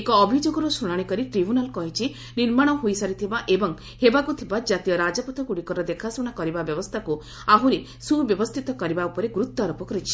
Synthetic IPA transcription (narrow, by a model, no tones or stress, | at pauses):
ekɔːbʱid͡ʒoɡɔɾɔsuɽ̃aɽ̃ikɔɾiʈɾibʱjunalkɔɦit͡ʃʰi | niɾmaɽ̃ɔɦojsaɾit̪ʰibaʔebɔŋ | hebakut̪ʰibad͡ʒat̪ijɔɾad͡ʒɔpɔt̪ʰɔkuɽikɔɾɔd̪ekʰasuɽ̃akɔɾibabjɔbɔst̪ʰaku | aɦuɾe | subjɔbɔst̪ʰit̪ɔkɔɾibaupɔɾeɡɾut̪ːaɾɔpɔkɔɾit͡ʃʰi̥